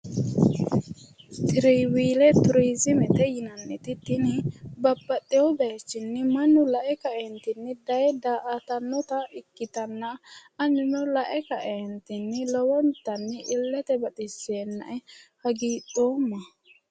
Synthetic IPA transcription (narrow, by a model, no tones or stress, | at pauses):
t̪ɪɾɛjwiːlɛt̪ʊɾiːzɪmɛt̪ɛjɪnɐnːɪt̪ɪt̪ɪnɪbɐbːɐt̪ʼːɛwɔbeːt͡ʃːɪnːɪmɐnːʊlɐʔɛkɐʔent̪ɪnːɪd̪ɐjɛd̪aʔat̪ɐnːɔt̪ɐɪkːɪt̪ɐnːɐɐnːɪnɔlɐʔɛkɐʔeːnt̪ɪnːɪlɔwɔnt̪ːɐnːɪʔɪlːɛt̪ɛbɐt̪ʼɪsːeːnːɐ̰ʔɛhɐɡiːtʼoːmːɐ